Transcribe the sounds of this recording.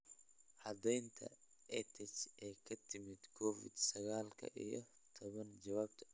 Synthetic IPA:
ʕɑd̪ɛjnt̪ʰɐ̰ | ɛt̪ʰɛt͡ʃʔɛːkʰɐt̪ʰɪmɪd̪kʰɔːfɪ̰d̪sɐɣaːlkʰɐ̰ʔijɞ | t̪ʰɔβɐnt͡ʃɐwaːbt̪ʰɐ̥

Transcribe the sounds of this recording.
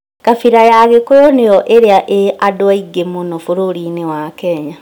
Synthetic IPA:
kafiɾajaɣekojɔnejɔʔeɾeaʔeadoaiɡemonɔfoɾoɾinewakɛɲa

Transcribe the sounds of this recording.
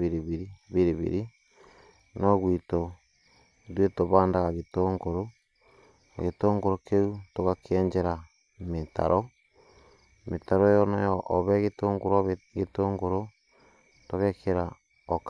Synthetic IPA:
iɾiβiɾiβiɾiβḭɾi | noɣwiːto | dwetoβaːndaɣaɣitoːŋɡoɾo | ɣetoːŋɡoɾokeutoɣakʰeːɲd͡ʒeɾa | meta̰ɾo | metaɾojonojoʔːβeɣitoːŋɡoɾoɡetoːŋɡoɾo | toɣekʰeɾa | ok

